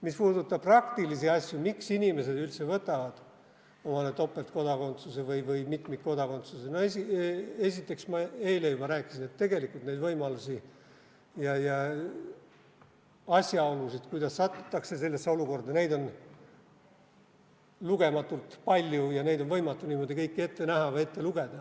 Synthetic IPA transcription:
mispuːd̪ut̪ːˑɑb̥̚prɑkt̪ilisiɑsʲjumiksinʲime̞se̞d̪ylt̪se̞vɤt̪ːˑɑvɑd̪̥ | omɑnet̪ːo̞pːˑe̞lt̪̚ko̞d̪ɑko̞nt̪susevɤjvɤjmit̪mit̪̚ko̞d̪ɑko̞nt̪susenoesie̞sʲit̪ːˑe̞ksmɑe̞jlejubɑɾæːkːˑisine̞t̪ːe̞ɡe̞likːˑult̪ne̞jd̪vɤjmɑlusʲi | jɑjɑ | ɑsʲjɑo̞lusit̪kujd̪ɑsːɑt̪ːˑu̥t̪ːˑɑkse̞se̞lːesːeo̞luko̞rd̪ɑne̞jd̪o̞n | luɡe̞mɑt̪ːˑult̪pɑlʲjujɑne̞jd̪o̞nvɤjmɑt̪ːˑuniːmo̞d̪ikɤjkːie̞t̪ːe̞næɦɑve̞t̪ːe̞luɡ̥e̞d̪̥ɑ

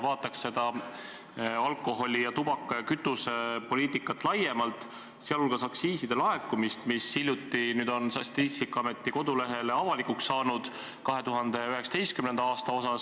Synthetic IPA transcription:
vɑːt̪ːˑɑksːe̞d̪̥ɑ | ɑlkːˑo̞ɦo̞lʲijɑt̪ubɑkˑːkyt̪ːˑusepo̞lʲiːt̪ˑikːˑɑt̪ːˑlɑje̞mɑlt̪ˑ | seɑlolɡ̥ɑsɑksiːsid̪̥e̞lɑekːˑumist̪misːilʲjut̪ːinyːd̪̥o̞nsɑst̪ist̪ikːˑɑmet̪ːiko̞d̪̥ule̞ɦe̞le̞ɑvɑlikuksːɑːnud̪̥ | kɑɦe̞t̪uɦɑnd̪̥e̞yɦeksɑd̪e̞jst̪̚kymne̞nd̪̥ɑɑːst̪ɑo̞sɑs

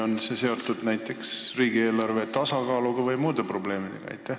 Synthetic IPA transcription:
o̞nsese̞o̞t̪ːˑud̪̥næjt̪ːˑe̞ksriːɡie̞ːlɑrve̞t̪ɑsɑkɑːluɡ̥ɑvɤjmuːd̪e̞pro̞ble̞ːmid̪̥e̞ɡ̥ɑ̰ɑ̰jt̪ːˑæh

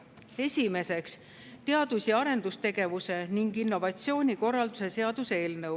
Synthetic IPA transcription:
e̞sʲime̞se̞ks | t̪e̞ɑd̪̥usjɑɑɾe̞nd̪̥ust̪e̞ɡ̥e̞vuse̞niŋɡinːo̞vɑt̪sio̞ːnʲiko̞rːɑld̪use̞se̞ɑd̪̥use̞ːlnɤw

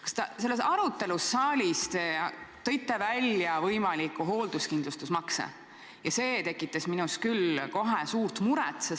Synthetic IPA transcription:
kɑ̥st̪ɑse̞lːesɑɾut̪ːˑe̞lusːɑːlʲist̪et̪ɤ̞jt̪ːˑevælʲjɑvɤjmɑlikːˑuɦo̞ːld̪̥uskind̪̥lust̪usmɑksḛ | jɑse̞ːt̪e̞kːˑit̪ːˑesminuskylko̞ɦesuːɾt̪muɾɛ̰t̪ːˑses

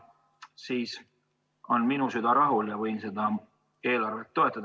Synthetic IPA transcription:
siːs | o̞nminusyd̪̥ɑɾɑɦuljɑvɤjnse̞d̪̥ɑ | e̞ːlɑrvelt̪ːo̞e̞t̪ˑːɑd̪̥

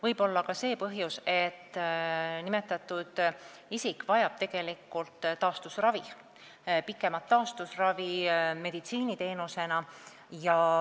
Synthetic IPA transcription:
vɤjb̥o̞lːɑkɑse̞ːpɤɦjuse̞t̪ːnime̞t̪ːˑɑt̪ːˑud̪̥ | isikvɑjɑb̥̚t̪e̞ɡ̥e̞likːˑult̪ˑt̪ːɑːst̪usrɑvi | pikːˑe̞mɑt̪ːɑːst̪usrɑvime̞d̪̥it̪siːnit̪e̞ːnuse̞nɑ | jɑ

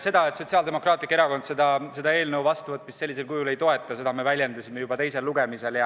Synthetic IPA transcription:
se̞d̪ɑe̞t̪ˑso̞t̪siɑːld̪emo̞krɑːt̪likːeɾɑko̞nd̪se̞d̪ɑse̞d̪ɑe̞ːlnəwvɑst̪uvɤt̪̚ːˑmisse̞lʲːise̞lkujule̞jt̪o̞e̞t̪ːˑkɑse̞d̪ɑme̞vælʲjend̪ɑsime̞jub̥ɑt̪e̞jse̞lːuɡ̥e̞mise̞ljɑ

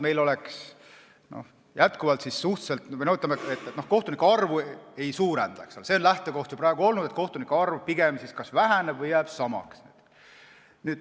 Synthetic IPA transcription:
me̞jlo̞lɛks | no̰h | jæt̪kuvɑlt̪sisːuht̪se̞lt̪nout̪ːˑɑmeet̪ːet̪nohko̞ht̪unikːɑrvue̞jsuːɾend̪̥ɑkselse̞onlæht̪e̞ko̞ht̪jupɾɑːɡ̥uo̞lnud̥̪e̞t̪̚ko̞ht̪unikːɑrvpiɡ̥emsiskɑsvæɦænebvɤjːæːb̥sɑmɑ̰kset̪ | nyːd̪̥

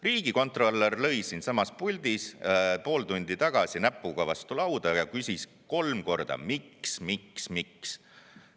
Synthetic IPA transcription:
riːɡ̥iko̞nt̪ˑro̞lːerlɤ̞jsinsɑmɑspulʲd̪ispo̞ːlt̪unʲd̪̥it̪ɑɡ̥ɑsinæpːˑuɡ̥ɑvɑst̪ulɑwd̪̥ɑjɑkysʲis | ko̞lmko̞rd̪̥ɑ̰miksmiksmiks

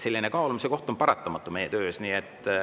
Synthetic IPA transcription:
se̞lʲːinekɑolumiseko̞ht̪ompɑɾɑt̪ˑːɑmɑt̪ːˑume̞jːet̪ø̞ːsniːet̪ːˑ

